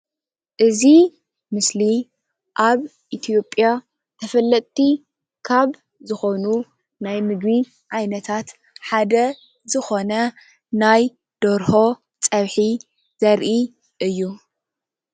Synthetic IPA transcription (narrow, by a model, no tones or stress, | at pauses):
ʔɨzi | mɨsli | ʔaβʔit̪ʰijo̞pʼːja | t̪ʰɐfɐlːɐt̪ʼt̪ːi | kʰaβ | zɨxo̞nu | najmɨɡβi | ʕajnɐt̪ʰat̪ | ħad̪ɐ | zɨxo̞nɐ | naj | d̪̥oɾho̞ | t͡sʼɐβħi | z̥ɐɾʔi | ʔɨjːu